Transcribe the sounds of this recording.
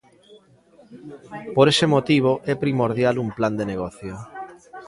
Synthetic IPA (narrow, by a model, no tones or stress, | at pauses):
poɾesemot̪iβ̞oʔɛpɾimoɾðjalumpland̪eneɣ̞ɔθjo